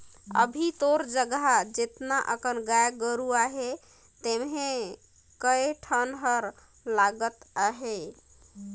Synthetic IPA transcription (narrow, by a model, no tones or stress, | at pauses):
ə̰bʱit̪oɾd͡ʒəɡɦad͡ʒet̪naʔəkənɡajɡəɾuaɦe | t̪emɦe | kəjʈʰənɦəɾ | laɡət̪aɦe